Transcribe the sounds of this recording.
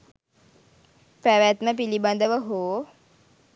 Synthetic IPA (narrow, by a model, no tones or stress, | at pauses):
pɾaʋjat̪nəpiliband̪əʋəɦoː